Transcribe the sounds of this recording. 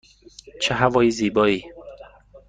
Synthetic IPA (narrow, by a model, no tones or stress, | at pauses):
t͡ʃʰeɦævɒːjiːziːbɒːiː